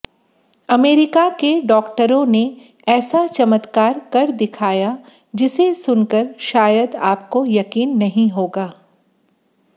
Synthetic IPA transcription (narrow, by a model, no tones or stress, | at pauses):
ɐmeːɾɪkakeɖɔːkʈəɾõne | ɛːsat͡ʃɐmət̪kaːɾkɐɾd̪ɪkʰaːja | d͡ʒɪsesʊnkəɾʃaːjəd̪aːp̚kojɐkiːnːɐɦĩɦoːɡaː